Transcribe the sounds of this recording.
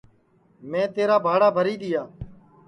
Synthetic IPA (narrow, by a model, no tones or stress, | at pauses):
mẽːt̪eːɾaːbʱaːɽaːbʱəɾiːɗ̪ɪjaː